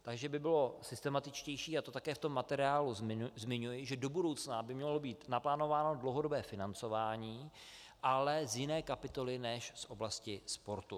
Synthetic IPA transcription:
t̪aɡʒɛbɪbɪlo̞sɪst̪ɛmat̪ɪt͡ʃcɛjʃiːat̪o̞t̪akɛːft̪o̞mːat̪ɛɾɪaːluzzmɪɲujɪʒɛdo̞budo̞wt͡snabɪmɲɛlo̞biːt̪naplaːno̞vaːno̞dlowɦo̞do̞bɛːfɪnant͡so̞vaːɲiː | ʔalɛzjɪnɛːkapɪt̪o̞lɪnɛʃsʔo̞blascɪspo̞ɾt̪u

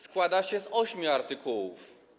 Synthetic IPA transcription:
skwad̪aɕɛzɔɕmʲjuaɾt̪ɪkʰuwuf

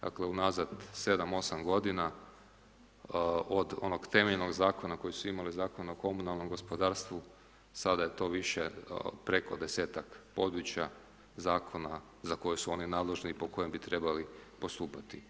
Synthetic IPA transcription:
d̪a̰kleunazad̪se̞d̪amo̞samɡo̞d̪ina | od̪o̞̰no̞ɡt̪e̞meʎno̞ɡzaːko̞nako̞jisuimalizaːko̞naoko̞munalno̞mɡo̞spo̞d̪aːɾst̪ʋu | sad̪ajet̪o̞ːʋiʃepɾe̞ko̞d̪e̞se̞ːt̪akpo̞d̪ɾut͡ɕja | zaːkʰo̞na | zako̞jusuo̞ninaːd̪leʒnipo̞ko̞je̞mbit̪ɾebalipo̞st̪uːpat̪i

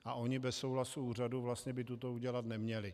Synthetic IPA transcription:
ʔaʔo̞ɲɪbɛsːo̞wlasuuːr̝aduvlast̪ɲɛbɪt̪ut̪o̞uɟɛlat̪nɛmɲɛlɪ

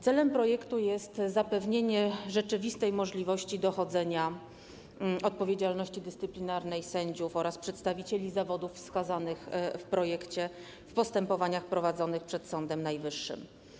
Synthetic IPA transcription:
t̪sɛlɛmpɾɔjɛkt̪ujɛst̪zapɛvɲeɲɛʐɛt͡ʂɘvʲist̪ɛjmɔʐlʲivɔɕt͡ɕid̪ɔxɔd̪zɛɲa | ɔt̪̚pɔvʲjed͡ʑalnɔɕt͡ɕid̪ɘst̪sɘplʲinaɾnɛjsɛɲd͡ʑufɔɾaspʂɛt̪st̪avʲit͡ɕelʲizavɔd̪uffskazanɘxfpɾɔjɛkt͡ɕɛ | fpɔst̪ɛmpɔvaɲaxpɾɔvad̪zɔnɘxpʂɛt̪sɔnd̪ɛmnajvɘʂːɘ̰m

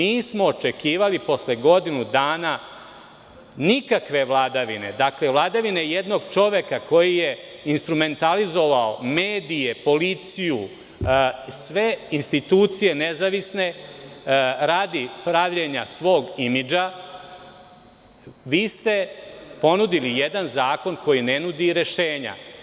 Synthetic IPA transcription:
miːsmo̞ːt͡ʃe̞kiːʋalipo̞sleɡo̞d̪inud̪aːna | nikakʋe̞ʋlˠaːd̪aʋine̞d̪akle̞ʋlˠad̪aʋine̞je̞d̪no̞ɡt͡ʃo̞ʋekako̞jijeinst̪ɾume̞nt̪alizo̞ʋaomeːd̪ije̞po̞lit̪siju | sʋe̞inst̪it̪uːt̪sije̞nezaʋisne̞ | ɾaːd̪ipɾaʋʎeɲasʋo̞ːɡimid͡ʒa | ʋiːst̪e̞po̞nud̪ilijed̪anzaːko̞nko̞jinenud̪iɾe̞ʃeːɲa̰

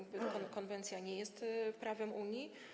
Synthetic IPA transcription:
ɡbɘkɔkɔnvɛnt̪sʲjaɲɛjɛst̪pɾavɛmʔuɲji

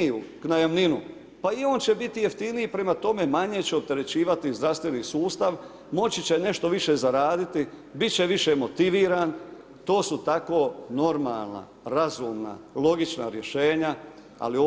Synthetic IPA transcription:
uknajamninṵ | paio̞ːnt͡ɕe̞bit̪ije̞ft̪iniipɾe̞mat̪o̞me̞maɲe̞t͡ɕeop̚t̪e̞ɾe̞t͡ɕiːʋat̪izd̪ɾast̪ʋe̞nisuːst̪aʋ | mo̞t͡ɕit͡ɕe̞ne̞ʃt̪o̞ʋiʃe̞ːzaɾaːd̪it̪ibit̪̚t͡ɕe̞ʋiʃe̞mo̞t̪iʋiːɾaːn | t̪o̞ːsut̪ako̞ːno̞ɾmaːlˠna̰ | ɾazuːmna̰lˠo̞ɡit͡ʃna̰ɾje̞ʃe̞ːɲa | a̰lio

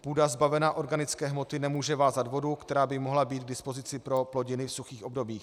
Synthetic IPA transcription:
puːdazbavɛnaːʔo̞ɾɡanɪt͡skɛːɦmo̞t̪ɪnɛmuːʒɛvaːzat̪vo̞dukt̪ɛɾaːbɪmo̞ɦlabiːt̪̚ɡ̚dɪspo̞zɪt͡sɪpɾo̞plo̞ɟɪnɪfsuxiːxʔo̞bdo̞biːx

